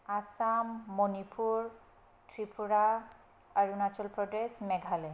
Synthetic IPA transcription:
asamːonipʰuɹ | tʰɹipʰuɹa | aɹunat͡ʃɔlpɹɔdesmɛɡʱalɛ

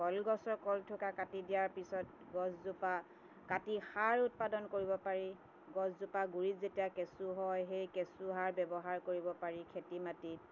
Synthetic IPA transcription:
kɔlɡɔsɔɹkɔltʰʊkakatidijaɹpisɔt | ɡɔszupa | katixaɹʊt̚padɔnkoɹibɔpaɹi | ɡɔszupaɡuɹitzetijakesuɦɔjɦejkesuɦaɹbɛbɔɦaɹkoɹibɔpaɹikʰetimati

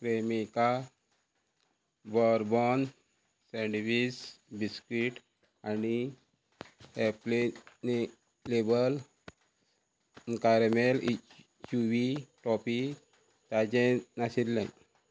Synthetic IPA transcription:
pɾemika | bɔɾbɔn | sẽɳɖʋisbiskɾiʈ | ani | eplene | lebəl | nkaɾmel | t͡ɕuʋiʈɔpi | t̪ad͡ʑenasilːḛ̃

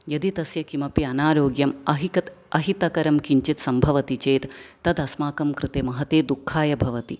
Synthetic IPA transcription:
jɐd̪it̪ɐsjɐkimɐpiɐnaːɾjoːɡjɐmɐɦikɐt̪ɐɦit̪ɐkɐɾɐmkiɲt͡ʃit̪sɐmbʱɐʋɐt̪it͡ʃeːt̪ːɐd̪ɐsmaːkɐmkɾɨt̪emɐɦɐt̪eːd̪ukʰːaːjɐbʱɐʋɐt̪i

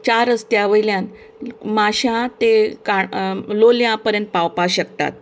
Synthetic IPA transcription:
t͡ɕaɾəst̪jaʋəjljãn | maɕãt̪ekaloljãpəɾjə̃nt̪̚pawpaɕəkt̪a̰t̪̚

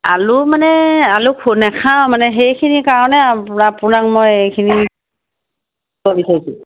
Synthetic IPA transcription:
a̰lumanɛalukʰunɛkʰamanɛɦejkʰinikaɹɔnɛapʊnakmɔjejkʰini | kobisaɹisʊ

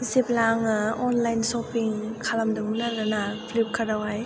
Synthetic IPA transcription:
ziplaŋɔnlajnsɔpiŋkʰalamdɯŋmɯnaɾanapʰlip̚kʰaɾawaj

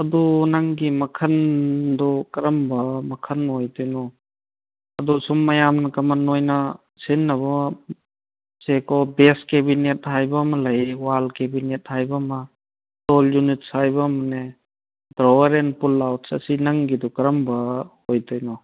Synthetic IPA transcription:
ɐdunɐŋɡimɐkʰɐndɔkɐɾɐmbɐmɐkʰɐnojtɔjnɔ | ɐdusumːɐjamnɐkɐmɐnːojnɐ | sinːɐβɐ | sekɔbeskebinet̚hajbɐmɐlɐjwalkebinet̚hajbɐma | tɔljunit̚sajbɐmɐne | dɾɔwɐɾenpulːawt̚sɐ̰sinɐŋɡidɔkɐɾɐmbɐhojtɔjnɔ

